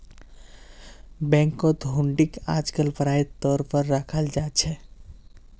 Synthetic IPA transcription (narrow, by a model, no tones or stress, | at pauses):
bɛ̃ŋkːɔd̪ʱɦuɳɖika̰d͡ʒkəlpəɾait̪ːɔɾpəɾːakʰəld͡ʒat͡ʃʰɛ